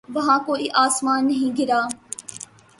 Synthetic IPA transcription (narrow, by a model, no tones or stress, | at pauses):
ʋɐɦãːkoːiːʔaːsmaːnːɐɦĩːɡɪɾaː